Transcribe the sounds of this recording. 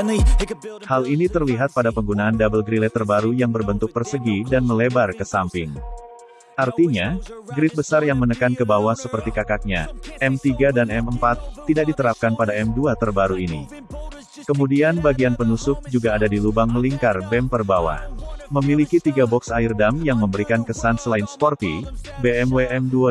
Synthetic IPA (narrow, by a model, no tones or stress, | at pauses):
halinit̪ərliɦat̪̚padapəŋɡunaːndabəlɡɾilɛt̪ərbaɾujaŋbərbənt̪ʊk̚bərsəɡidanməlebarkəsampɪŋ | ʔart̪iɲaɡɾɪt̪̚bəsarjaŋmənəkankəbawasəpərt̪ikakak̚ɲaʔɛmt̪iɡadanɛməmpat̪ːidak̚dit̪əɾap̚kanpadaɛmduat̪ərbaɾuinḭ | kəmudianbaɡianpənusʊk̚d͡ʒuɡaːdadilubaŋməliŋkarbɛmpərbawa̰məmilikit̪iɡabɔksaɪrdamjaŋməmbəɾikankəsansəlaɪnspɔrt̪ibeɛmweʔɛmdua